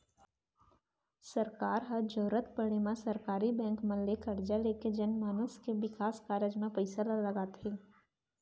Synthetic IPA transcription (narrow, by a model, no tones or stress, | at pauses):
sɐɾkaːɾɦəd͡ʒoːɾət̪pəɽemẽsɐɾkaːɾibɛ̃ːŋkməllekɐɾd͡ʒaleːked͡ʒɐnmaːnʊskebɪkaːskaːɾəd͡ʒmẽpəɪsallɐɡaːt̪ɦɛː